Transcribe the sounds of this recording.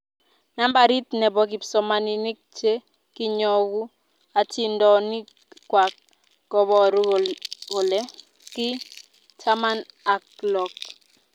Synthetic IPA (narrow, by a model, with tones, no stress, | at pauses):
na˦mba˨ɾi˦t̪nɛ˨bɔ˨k̬i˨psɔ˨ma˨ni˨ni˦k̚t͡ʃe˦ | kɪ˦ɲɔ˦ɡu˦ | a˨tʰi˦ndɔ˦ni˦ | kwa˨k̚ | ɡ̥ɔ˨bɔ˦ɾ | o˨le˦ | kɪ˦ | tʰa˦ma˦na˨klɔ˨k